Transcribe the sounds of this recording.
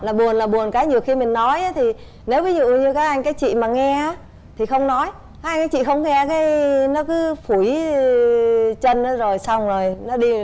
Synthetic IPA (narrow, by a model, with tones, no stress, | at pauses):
laː˨˩ɓu˨˩ənlaː˨˩ɓu˨˩ənkaː˨˦jɲi˨˩əwxi˧mï˨˩ŋ̟nɔ˨˦jʔaː˨˦t̪ʰi˨˩ | ne˨˦wvi˨˦zṵ˧˨ɲɨ˧kaː˨˦˥kʔa˧jŋ̟kaː˨˦jt͡ɕḭ˧˨maː˨˩ŋɛ˧ʔaː˨˦ | t̪ʰi˨˩xə˧wŋ͡mnɔ˨˦j | a˨˦ka˧j̟kːaː˨˦jt͡ɕḭ˧˨xə˧wŋ͡mŋɛ˧kaː˨˦jnɔ˨˦kɨ˨˦fu˧˩j | t͡ɕə˧nʔaː˨˦zo˨˩jsa˧wŋ͡mzo˨˩jnɔ˨˦ɗi˧